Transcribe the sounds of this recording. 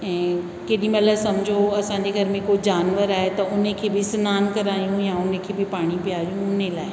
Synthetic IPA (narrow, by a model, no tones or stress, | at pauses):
ɛ̃ː | keːɗĩmɐləsɐmd͡ʑʱoɐsãːɲd͡ʑeɡʱɐɾmẽkod͡ʑaːnʋəɾaːɦet̪ɐʊnekʰeːbɪsnaːnkɐɾaːijũjaʊnekʰeːbɪpaːɽ̃ipijaːɾijũʊnelaːɪ